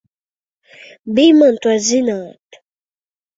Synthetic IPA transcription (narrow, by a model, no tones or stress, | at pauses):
bimãntwazinat